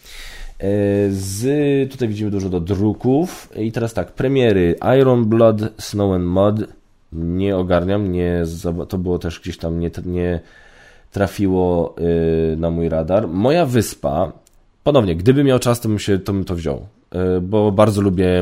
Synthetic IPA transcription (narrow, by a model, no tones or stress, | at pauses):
zt̪ut̪ajvʲid͡ʑimɘd̪uʐɔd̪ɔd̪ɾukufit̪ɛɾast̪akpɾɛmʲjɛɾɘʔajɾɔnblɔd̪snɔwɛnmɔd̪ | ɲɛɔɡaɾɲamɲɛzabat̪ɔbɘwɔt̪ɛʂɡd͡ʑeɕt̪amɲɛɲɛ | t̪ɾafʲiwɔ | namujɾad̪aɾmɔjavɘspa̰ | pɔnɔvɲɛɡd̪ɘbɘmʲːjawt͡ʂast̪ɔbɘmɕɛt̪ɔbɘmt̪ɔvʑɔ̰w | bɔbaɾd̪zɔlubʲjɛ